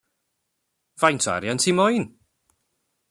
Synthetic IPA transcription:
v̥ajntʰa̰ɾjantʰimɔjn

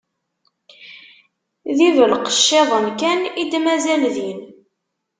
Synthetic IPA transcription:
ðivəlqə̥ʃːeðˤənkænid̪mæzælðin

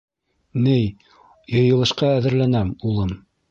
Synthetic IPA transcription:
nɘj | jɤ̆jɤ̆lˠɤ̆ʃqɑæðɘ̆ɾlænæmulˠɤm

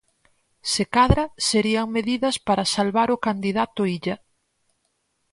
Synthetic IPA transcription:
sekaðɾɐseɾiɐŋmeðiðɐspaɾɐsalβaɾʊkand̪iðat̪ʊiʎɐ

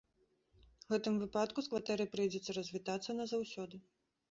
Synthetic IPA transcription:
ɣɛt̪ɨmvɨpat̪kuskvat̪ɛɾɨpɾɨjd͡zʲɛt̪sːɐɾɐzʲvʲit̪at̪sːɐnɐzawsʲɔd̪ɨ

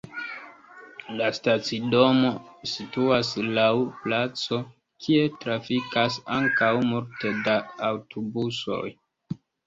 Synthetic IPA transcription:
lastat͡sido̞mo̞situaslawplat͡so̞ | kʰie̞tɾafikasaŋkawmulte̞daːwtʰobuso̞̰j

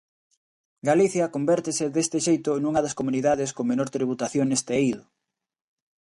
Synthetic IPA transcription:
ɡaliθjɐkombɛɾt̪ɪsɪðest̪ɪʃejt̪ʊnuŋɐðɐskomuniðaðeskoŋmenoɾt̪ɾiβ̞ut̪aθjoŋnest̪eiðʊ

